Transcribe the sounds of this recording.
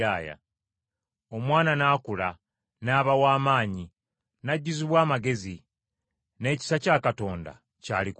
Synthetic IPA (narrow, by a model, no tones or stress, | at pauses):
aːja̰ | o̞mwaːnanaːkula | naːβawaːmaːɲi | naɟːiziβwaːmaɡe̞zi | ne̞ːci̥sacaːkato̞ːnda̰ | ca̰ːlik